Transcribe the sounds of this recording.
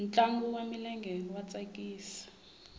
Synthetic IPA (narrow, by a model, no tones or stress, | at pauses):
nt͡ɬʼaŋɡuwamilɛŋɡʱɛlɔwat͡sʼakʼiːsḁ